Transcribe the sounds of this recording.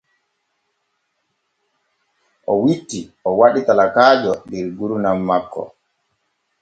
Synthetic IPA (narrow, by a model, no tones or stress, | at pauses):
ʔɔwitːiʔɔwaɗitalakaːd͡ʒɔdɛɾɡuɾunamːakːɔ̰